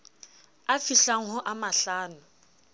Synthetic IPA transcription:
afiɬaŋ̩hʊʔamaɬaːnʊ

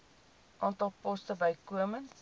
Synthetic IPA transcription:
ʔɑːntɑlˠpɔstəbəjkuəməns

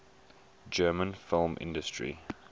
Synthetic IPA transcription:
d͡ʒɜːmə̃nfɪlˠmʔɪ̰̃ndəstʰɹḭ

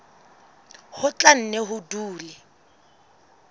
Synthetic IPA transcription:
hʊt͡ɬʼan̩nɛɦʊduːli

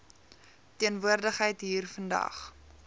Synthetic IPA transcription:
tiənvuərdəχɦəjtɦiːrfəndɐ̰χ

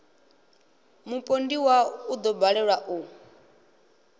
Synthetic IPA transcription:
mupʼondiwaud̪ɔbaɺɛɺwaʔu

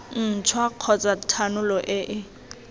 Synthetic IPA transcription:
n̩t͡ʃʰwaq͡χʰɔt͡sʼatʰanʊlɔʔɪʔɪ

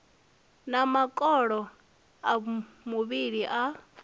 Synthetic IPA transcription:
namakʼɔɺɔ | a | muβiɺiʔa

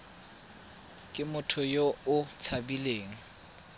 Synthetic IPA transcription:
kʼɪmʊtʰʊjoʊt͡sʰabileːŋ̩

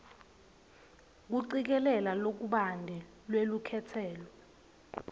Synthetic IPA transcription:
k̬uǀik̬ɛlɛlalok̬uɓandʱɛ | lwelukʰɛtʰɛːlɔ

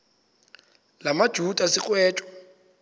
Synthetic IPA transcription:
lamad̥ʒ̥ʱutʼasikʼwɛːt͡ʃʼɔ̥

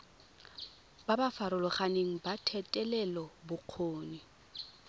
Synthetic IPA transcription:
babafaɾʊlɔχaneŋ̩batʰɛtʼɛlɛlɔbʊq͡χʰoːni

